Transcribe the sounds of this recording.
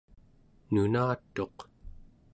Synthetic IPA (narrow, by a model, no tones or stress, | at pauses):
nunaːt̪ːo̞q